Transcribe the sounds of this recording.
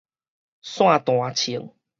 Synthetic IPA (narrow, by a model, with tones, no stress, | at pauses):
sw̃ã˥˧t̪w̃ã˨t͡ɕʰi˨˩˦ŋ